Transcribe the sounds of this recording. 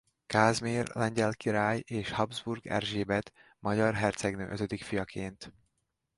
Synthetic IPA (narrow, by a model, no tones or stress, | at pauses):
kaːzmeːrlɛɲɟɛlkiɾaːjeːʃhɒbzburɡɛ̰rʒeːbɛt̪ | mɒɟɒrɦɛrt̪sɛɡnø̰ːʔøt̪ød̪ikfijɒkʰeːnt̪